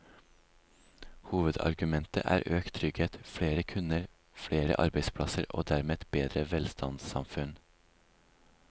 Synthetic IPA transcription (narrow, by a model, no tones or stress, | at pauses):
huːʋəd̪ɑ̰ɾɡʉmɛnt̪ə̰ʔæ̰ːɾʔøːkt̪ʰɾʏɡeːt̪fɽeːɾəkʰʉnəɾ | fɽeːɾə̰ʔɑ̰ɾbæɪspʰɽɑsəɾo̰ːd̪æɾmeːt̪beːd̪ɾəʋɛlst̪ɑnsɑmfʉn